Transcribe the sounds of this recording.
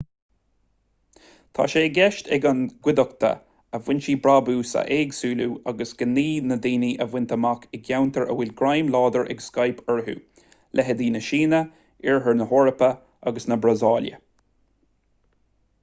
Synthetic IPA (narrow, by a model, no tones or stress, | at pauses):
t̪ʰa̰ːʃeːɡɛʃt̪ɛɡənɡ̥wɪd̪əkt̪ʰə̰ | əvwɪnʃiːbɾabuːsa̰ʔeːɡsuːlṵːaɡəsɡ̥ənːiːnəd̪iːniːʔəvwɪnt̪ʰəmakʰɪɡjawnt̪ʰəɹʔə̰wɪlɡɾajmlɑːd̪əɹʔɛ̰ɡskajpʰɛɹɦṵː | lʔɛɦəd̪iːnəʃiːnə | ɪɹɦəɹnəɦɔɹəpə | aɡəsnəbɾazɑːljə̰